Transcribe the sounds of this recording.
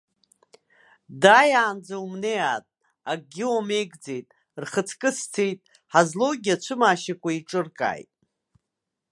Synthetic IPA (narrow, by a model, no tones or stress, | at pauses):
dajaːnd͡zaumnejatʼ | aɡʲiwame̞jɡd͡zejtʼ | rχət͡sʰkʼɨst͡sʰejtʼ | ħazlo̞wɡʲiat͡ʃʷʰɨmaːʃakʷʰʼaiʈ͡ʂʼɨrkʼa̰ːjtʼ